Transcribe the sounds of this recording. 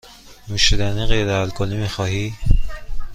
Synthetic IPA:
muʃid̪æniɣejɾeælkʰolimixɒːhi

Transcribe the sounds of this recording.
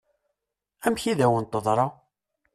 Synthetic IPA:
æmçiðæwənt̪ːəðˤɾˤɑ

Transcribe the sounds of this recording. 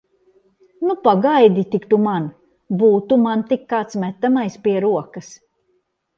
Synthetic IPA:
nupaɡajd̪ʲit̪ikt̪uman | buːt̪umant̪ikːaːt̪smæt̪ːamajspiɛɾuɔkɐs

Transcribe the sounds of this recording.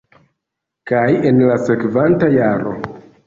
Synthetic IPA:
kaje̞nlase̞kvantajaɾo̞̰

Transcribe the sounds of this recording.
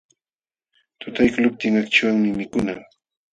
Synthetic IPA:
t̪ʊt̪ajkʊlʊp̚t̪ɪŋakt͡ʃawaŋmɪmɪkʊnaŋ

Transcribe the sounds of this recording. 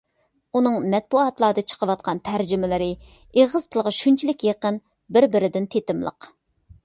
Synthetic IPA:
unɨŋmɛt̪̚buɑt̪lˠɑːd̪ɨt͡ʃʰə̥qʰəwɑt̪̚qɑnt̪ʰæɾd͡ʒɪmɪlɪɾɪ | eʁəz̥t̪ʰɨlˠʁɑʃunt͡ʃʰilɪkʲjeqən | bɪɾbɪɾɪd̪ɪnt̪ʰet̪ɪmlˠə̰q

